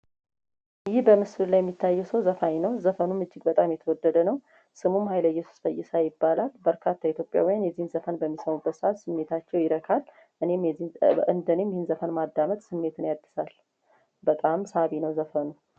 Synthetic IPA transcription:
jɪhbəmɨsɨllːajɛmːit̪ʰːajːɛsəwzəfajnəwzəfənumɨd͡ʒːɪɡ̚bət̪ʼamjɛt̪ʰəwɔd̪ːəd̪ənəw | sɨmumhajləjːɛsu̥sfəjːɪsajɪbːalalbəɾkʰat̪ʰːait̪ʰjo̞pʼja̰wijanjɛzːihnzəfənbəmːisəmubːət̪səʔat̪sɨmːe̞t̪ʰat͡ʃːɛwjɪɾəkʰal | ʔɨne̞mɛiʔɨnd̪əne̞mjɪhɨnzəfənmad̪ːamət̪ʼsɨmːe̞t̪ɨnjad̪ːɨsal | bət̪ʼamsaβinəwzəfənu

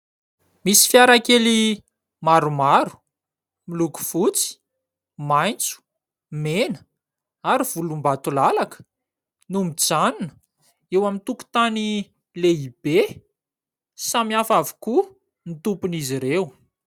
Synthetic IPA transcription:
misi̥fjaɾakeli | maɾumaɾu̥ | miluku̥v̥ut͡si̥ | majnt͡su̥ | menə̥ | aɾiv̥ulumbat̪ulalakə̥ | numid͡zanunə̥ | ewamint̪uku̥t̪ani | leib̥e | samiafavu̥ku | nit̪upuniziɾew

